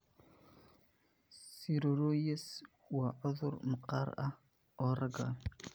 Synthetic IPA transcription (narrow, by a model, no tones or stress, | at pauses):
siɾoɾojes | waʕʊðʊɾməqaɾa | oɾaɡa̰